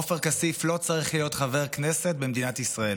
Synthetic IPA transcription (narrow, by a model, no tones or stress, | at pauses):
ofeʁkasiflo̞t͡saʁiχlijo̞t̪χaveʁ̞kneset̪̚bemd̪inat̪isʁael